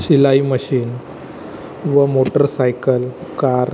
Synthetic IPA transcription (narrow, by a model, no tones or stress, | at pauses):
ɕilaiməɕiːn | ʋəmoʈəɾsajkəlkaɾ